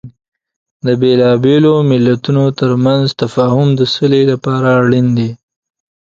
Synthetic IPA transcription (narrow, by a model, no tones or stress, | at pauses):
d̪əbelɑbelomɪlːat̪unot̪əɾmanzt̪afɑhʊmd̪əsəlelapɑɾaɽind̪i